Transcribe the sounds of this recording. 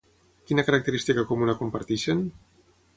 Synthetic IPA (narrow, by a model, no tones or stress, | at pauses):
kinakaɾak̚t̪eɾist̪ikakumunakumpaɾt̪iʃen